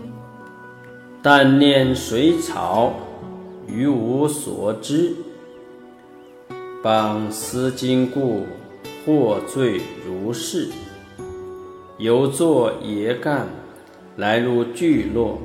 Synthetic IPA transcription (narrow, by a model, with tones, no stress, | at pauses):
t̪a˥˧nljɛ˥˩nʂwe˧˥ɪt͡sʰɑ̰˧˩˦ʊ | y˧˥u˧˥swɔ̰˨˩˦ʈ͡ʂɻ̩˥ | pɑ˨˩ŋsɹ̩˥t͡ɕi˥ŋku˥˧ | xwɔ˥˧t͡swe˥˩ɪɻu˧˥ʂɻ̩˥˩ | jo˧˥ʊt͡swɔ˥˩jɛ˧˥ka˥˩n | la˧˥ɪlu˥˧t͡ɕy˥˧lwɔ˥˩